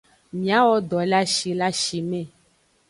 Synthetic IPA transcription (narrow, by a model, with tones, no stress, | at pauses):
mĩ˨a˦wɔ˦d̪ɔ˨la˦ʃi˨la˦ʃi˨mɛ̃˦˨